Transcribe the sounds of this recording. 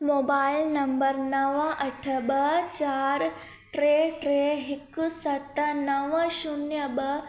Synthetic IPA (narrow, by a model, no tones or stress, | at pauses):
moːbaːɪlnɐmbəɾnɐʋʔɐʈʰəbɐt͡ʃaːɾ | ʈɾeːʈɾeːɦɪksɐt̪nɐʋʃunjəbɐ